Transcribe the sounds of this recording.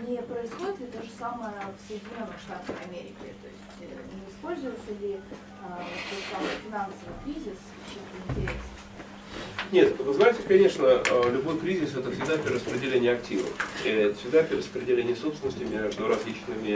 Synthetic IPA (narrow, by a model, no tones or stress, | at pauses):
nʲɪpɾəɪsxo̞dʲɪt̪ʲlʲɪd̪aʐɨsaməjəfsəjɪdʲɪnʲo̞nːɨxʂt̪at̪əxɐmʲeɾʲɪ̰kʲɪ̰t̪o̞̰ɪsʲtʲnʲɪɪspo̞lʲzʊvɪlˠsʲəlʲɪ | ot̪t̪oʐsamɨjəfʲɪnansəvɨjkɾʲizʲɪs | t͡ɕimt̪əɪnʲtʲɪɾʲe̞sn | nʲe̞t̪vɨznajɪtʲɪkɐnʲe̞ʂnəlʲʊbo̞jkɾʲizʲɪsɛt̪əfsʲɪɡd̪apʲɾʲɪɾəspɾʲɪdʲɪlʲenʲɪjɐk̚tʲivə̰fɛt̪ə̥fsʲɪɡd̪apʲɾʲɪɾəspɾʲɪdʲɪlʲenʲɪjsopsʲɪnəsʲtʲɪmʲeʐd̪ʊɾɐzlʲit͡ɕnɨmʲɪ